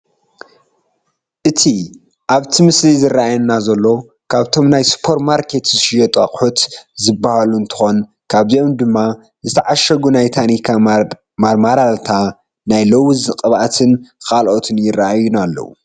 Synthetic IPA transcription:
ʔɨt̪ʰi | ʔaβt̪ʰimɨslizɨrːaajɐnːazɐlːo̞ | kʰaβt̪ʰo̞mnajspʰo̞ɾmaɾkʰe̞t̪zɨʃɪjɐt̪ʼaqʼħut̪zɨbːahaluɨnt̪ʰɨ̥xo̞n | kʰaβjo̞md̪ɨmːa | zɨt̪ʰɐʕaʃɐɡunajt̪ʰanikʰa | maɾalt̪ʰa | najlowɨzɨqʼɨβʔat̪ʰɨnkʰalʔot̪ʰɨnjɪraʔajunalːɐ̰wṵ

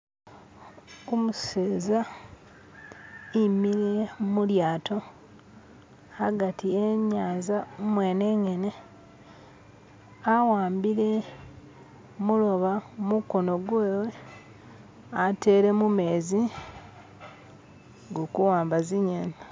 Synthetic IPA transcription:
omuseːza | imiɾe̞muljaːto̞ | aɡatʰieɲaːnzamwe̞ːneːŋe̞ne | awaːmbiɾe̞ | mulo̞βamuko̞no̞ɡweːwe | ate̞ːɾe̞mume̞ːzi | ŋɡokuwaːmbaziɲena

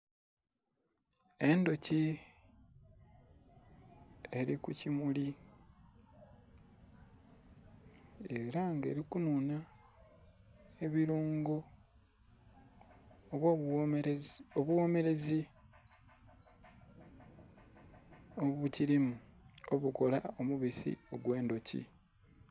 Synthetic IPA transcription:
e̞ndoci | e̞ɾikucimuli | eɾaŋɡḛːɾikununa | e̞βiɾuːŋɡo | oβwo | oβuwo̞me̞ɾe̞zi | oβuciɾimuo̞βuko̞lao̞muβisḭo̞ɡwe̞ːndo̞cḭ

